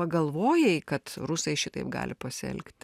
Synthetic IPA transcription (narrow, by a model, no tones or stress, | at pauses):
ɐɡɐlˠʋoːjɛɪkɐt̪rusɐɪʃʲɪt̪ɐɪpɡɑ̰ːlʲɪpɐsʲɪɛ̰lʲkt̪ʲ